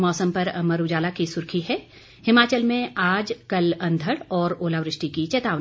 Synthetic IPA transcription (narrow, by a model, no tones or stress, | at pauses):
ɔːsəmpɐɾɐmɐɾud͡ʒaːlakisʊɾkʰiɦɛː | hɪmaːt͡ʃəlmẽaːd͡ʒkɐlɐ̃nd̪ʱəɽɔːɾoːlaʋɾɪʃʈikit͡ʃɛːt̪aːʋ